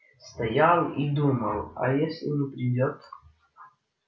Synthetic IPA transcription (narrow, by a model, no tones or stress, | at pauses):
st̪ɐjalˠid̪uməlˠɐ̰jesʲlʲɪnɨpɾʲidʲot̪